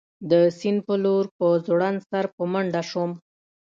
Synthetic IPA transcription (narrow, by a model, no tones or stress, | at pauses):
d̪əsinpəloɾpəzoɽansaɾpəməɳɖaʂom